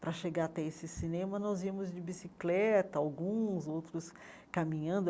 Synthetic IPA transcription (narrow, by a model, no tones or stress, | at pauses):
pɾɐʃeɡaɾat̪ɛesɪsinẽmɐnɔziɐmʊzd͡ʒɪbisiklɛt̪ɐawɡũzowt̪ɾʊs | kamĩɲɐ̃nd̪ʊ